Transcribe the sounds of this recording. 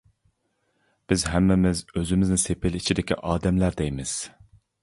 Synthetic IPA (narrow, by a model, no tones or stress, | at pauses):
b̥ɪzɦæmːɪmɪzøzɪmɪznɪsepɪlit͡ʃʰid̪ɪkʲʰḭʔɑːd̪ɛmlæɾd̪ɛjmɪz̥